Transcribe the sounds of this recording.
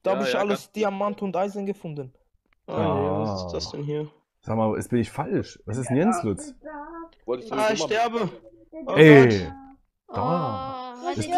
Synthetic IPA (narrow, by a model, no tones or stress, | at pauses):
d̥ahaːbəɪçaləsd̥iamantʊntʔaɪzənɡəfʊndən | ʔḁ | sd̥ɛnɦiːɐ | z̥aːɡmaːʔɛ̰sb̥ɪnɪçfalʃvas̬ɪstnjɛnslʊt͡s | aʃtɛɐbə | ɛ | d̥a | ɛs